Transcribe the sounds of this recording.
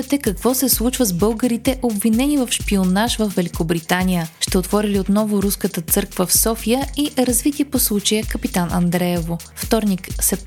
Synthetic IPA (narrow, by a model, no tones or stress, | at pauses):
ɛt̪ɛkɐkvɔsɛslˠut͡ʃvəzbɤlˠɡəɾit̪ɛʔobvinɛnivɐfʃpionaʃvəfvɛlʲikobɾit̪anijəʃt̪ɛot̪vɔɾiliot̪nɔvʊɾuskət̪ət̪sɤɾkvəfsɔfijəiɾɐzvit̪iəposlˠut͡ʃəjəkəpit̪anʔɐ̰nd̪ɾɛɛvo | ft̪ɔɾniksɛ